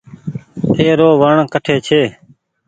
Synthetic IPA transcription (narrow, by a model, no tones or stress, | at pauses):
eːɾoːʋəɳkəʈʰeːt͡ʃʰeː